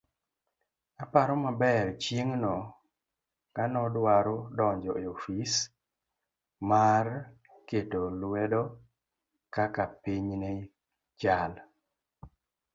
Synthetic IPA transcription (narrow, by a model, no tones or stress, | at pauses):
apaɾɔmabɛɾt͡ʃjeŋnɔ | kanɔdwaɾodɔɲd͡ʒɔeofis | mar | ketolwedɔ | kakapiɲne | t͡ʃal